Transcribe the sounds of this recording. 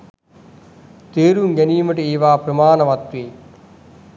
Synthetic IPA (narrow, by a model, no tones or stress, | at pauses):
t̪eːɾuŋɡɐniːməʈieːʋaːpɾɐmaːnɐʋɐt̪ʋeː